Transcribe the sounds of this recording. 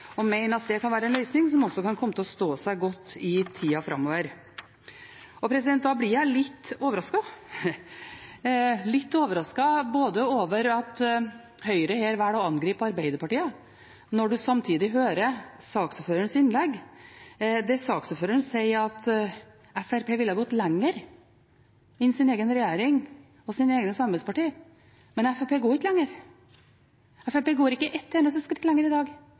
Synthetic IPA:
ɔmæɪnəɾɑt̪̚d̪ɛkʰɑnʋæːɾəɛnlœʏsnɪŋsɔmɔsːɔkɑnkʰɔmːət̪ɪlɔst̪oːsæɪɡɔt̪ːɪt̪ʰiːɑfɾɑ̰mːoːʋəɾ | ɔpʰɾɛsɪd̪ɛnt̪̚d̪ɑːblɪɾjæɪlɪt̪ːoːʋəɾɑskɑ | lɪt̪ːoːʋəɾɑskɑboːd̪əoːʋəɾɑt̪ | hœʏɾəheːɾʋæːɽɔɑnɡɾiːpɑɾbæɪd̪əɾpɑʈiːɑ | nɔɖʉsɑmt̪ʰiːd̪ɪɦøːɾəsɑːksɔføːɾəɳsɪnlɛɡː | d̪ɛsɑːksɔføːɾəɳnsɛɪɑt̪ | ɛfæɾpʰeːʋɪlːəhɑɡɔt̪ːlɛŋːəɾ | ɪnsɪneːɡənɾɛjeːɾɪŋ | ɔsiːnəeːɡənəsɑmbɛspɑʈiː | mɛnɛfæpeːɡoːɾɪkːəlɛŋːəɾ | ɛfæpeːɡoːɾɪkːəʔɛt̪ːɛːnəsəskɾɪkt̪ːlɛŋːəɾɪd̪ɑːɡ

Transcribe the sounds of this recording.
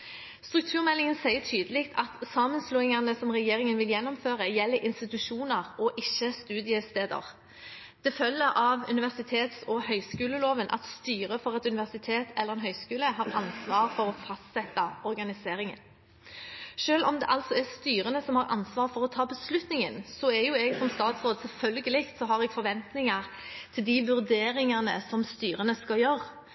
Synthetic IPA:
st̪ɾʉk̚t̪ʰʉːʁmɛlːɪŋənsæɪəʈʰyːd̪əlɪkt̪ʰɑt̪sɑːmənsluːɪŋɑnəsɔmʁɛjeːɾɪŋənʋɪljɛnːɔmføːʁəjɛlːəɾʔɪnst̪ɪt̪ʉʂuːnəʁɔʔɪçːəst̪ʉːd̪ɪəst̪eːd̪ə̰ʁ | d̪̥ɛfœlːəʔɑʋʉ̰nɪʋæʁsɪt̪ʰeːt̪sɔhœʏskʉːləloːʋənʔɑ̰t̪st̪yːɾʁəfɔʁɛt̪ʉnɪʋæʁsɪt̪ʰeːt̪ʰɛlːəʁɛnɦœʏskʉːləɦɑːʁɑnsʋɑːɾfɔɾɔfɑst̪sɛt̪ːɑɔɾɡɑnɪseːɾɪŋə̰n | ʂøːlʔɔmd̪ɛ̰ʔɑlt̪sɔæʁst̪yːɾənəsɔmhɑɾʔɑ̰nsʋɑːɾfɔɾɔt̪ʰɑːbəslʉt̪nɪŋənsɔɛɾjʊɛɡsɔmst̪ɑːt̪sʁoːd̪sɛlfœlɡəlɪkt̪sɔɦɑʁɛɡ̥fɔɾʋɛnt̪nɪŋɑʁ | t̪ʰɪld̪ɪʋʉɾd̪eːɾɪŋənə̰sɔmst̪yːɾənəskɑjøɾ

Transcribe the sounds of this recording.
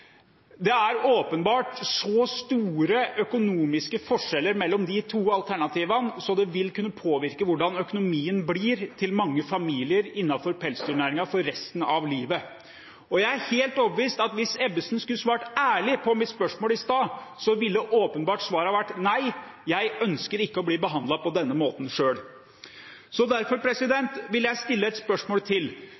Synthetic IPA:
d̪ɛæɾoːpənbɑːʈsɔst̪uːɾəœkʊnuːmɪskəfɔʂɛlːəɾmɛlːɔmd̪ɪt̪ʰuːɑlt̪ʰæɳɑt̪ʰiːʋɑnsɔd̪ɛʋɪlkʉnːəpʰoːʋɪɾkəʋʊɖɑnœkʊnʊmiːənblɪːɾt̪ʰɪlmɑŋːəfɑmiːlɪəɾɪnːɑfɔɾpʰɛlst̪ʰʉɳæːɾɪŋɑfɔɾːɛst̪ənɑʋliːʋə | ɔjæɪæɾheːlt̪ɔbʋiːst̪ɑt̪ʋɪsɛbəsnskʉlːsʋɑːʈæːɭɪpʰɔmɪt̪spœʂmoːlɪst̪ɑːsɔʋɪld̪əʔoːpənbɑːʈsʋɑːɾɑʋæʈːnæɪ | jæɪœnskəɾɪkːəɔbliːbəɦɑnd̪lɑpɔd̪ɛnːəmoːt̪n̩ʂøːɽ | sɔd̪æɾfɔɾpʰɾɛsɪd̪ɛnt̪ʋɪljæɪst̪ɪlːəɛt̪spœʂmoːlt̪ʰɪl

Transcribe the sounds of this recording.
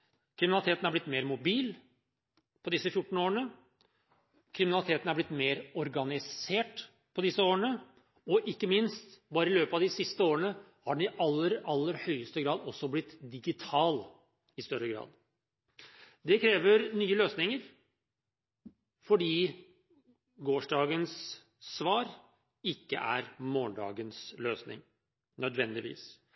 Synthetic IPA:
kʰɾɪmɪnɑlɪt̪ʰeːt̪nhɑɾblɪt̪ːmeːɾmʊbiːl | pʰɔd̪ɪsːəfjʊʈːɳ̩oːɾəɳə | kʰɾɪmɪnɑlɪt̪ʰeːt̪n̩hɑɾblɪt̪ːmeːɾɔɾɡɑnɪseːʈ | pʰɔd̪ɪsːəoːɾəɳə | ɔʔɪkːəmɪnst̪bɑːɾəɪløːpəɑʋd̪ɪsɪst̪əoːɾəɳə | hɑɖɛn̩ɪʔɑlːəɾɑlːəɾhœʏəst̪əɡɾɑːd̪ɔsːɔblɪt̪ːd̪ɪɡɪt̪ʰɑːl | ɪst̪œɾəɡɾɑ̰ːd̪ | d̪ɛkʰɾeːʋəɾnyːəløːsnɪŋəɾ | fɔɖiː | ɡoːʂɖɑːɡənsː | ʋɑːɾ | ɪkːə̰ʔæ̰ɾmoːɳɖɑ̰ːɡənsløːsnɪ̰ŋ | nœd̪ʋɛnd̪ɪʋḭːs

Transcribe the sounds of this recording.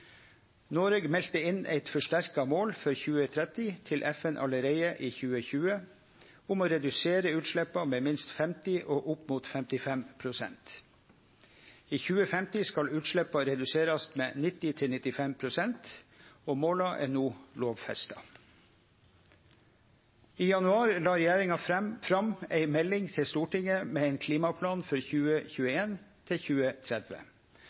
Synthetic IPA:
noːɾɛɡmɛlt̪əɪnæ̰ɪt̪fɔʂʈæɾkɑmoːlfɔɾçʉːət̪ʰɾɛt̪ɪt̪ʰɪlʔɛfɛnʔɑ̰ləɾeɪəʔiːçʉːəçʉːə | ʊmoːɾɛd̪ʉseːɾəʉːt̪ʃɭɛpɑmeːmɪnst̪fɛmt̪ɪʔoːʔʊpmuːt̪fɛmt̪ɪfɛmpʰɾʊsɛ̰nt̪ | iːçʉːəfɛmt̪ɪskɑlʉːt̪ʂɭɛpɑɾɛd̪ʉseːɾɑst̪mḛːnɪt̪ːɪt̪ʰɪlnɪt̪ːɪfɛmpʰɾʊsɛnt̪oːmoːlɑʔɛ̰nuːloːʋfɛ̰st̪ɑ | iːjɑnʉɑːɾlɑːɾɛjæːɾɪŋɑfɾɑmæɪmɛlːɪŋt̪ʰɪlst̪uːʈɪŋəmeːɛɪnkʰliːmɑpʰlɑːnfɔɾçʉːəçʉːəeːnt̪ʰɪçʉːət̪ʰɾɛd̪ʋə̰

